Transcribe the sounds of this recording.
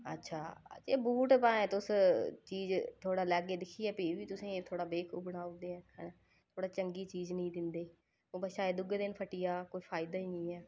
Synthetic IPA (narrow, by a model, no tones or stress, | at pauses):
ə̰tːʃʰa̰ːd͡ʒeːbuːʈpãːɛ̃ːt̪ʊst͡ʃiːzt̪ʰoːɽaːlɛːɡeːd̪ɪkʰiːɛːpeːʋiːt̪ʊsĩːt̪ʰoːɽaːbeːkʰuːbəɽaːd̪eːɛ̃ːkɛ̰nː | t̪ʰoːɽaːt͡ʃəŋɡiːt͡ʃiːznəĩːd̪ɪnd̪eː | õːbəʃaːeːd̪ʊɡd̪ɪnpʰəʈɪjaːkoːiːpʰaːɪd̪aːiːnĩːɛː